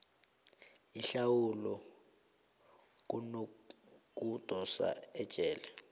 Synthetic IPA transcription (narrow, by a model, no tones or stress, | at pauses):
iɬawulɔ | k̬uno | k̬ʼud̥ʱʼɔsa̰ɛ̥t͡ʃʼɛːlɛ